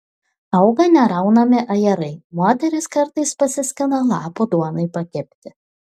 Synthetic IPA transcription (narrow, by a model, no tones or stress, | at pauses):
ɐʊɡɐnʲɛɾɐʊnɐmʲɪʔɐjɛɾɐɪmoɔt̪ʲɛɾʲɪskɐɾt̪ɐɪspɐsʲɪsʲkʲɪnɐlˠɑːpod̪uɔnɐɪpɐkʲɛpʲt̪ʲɪ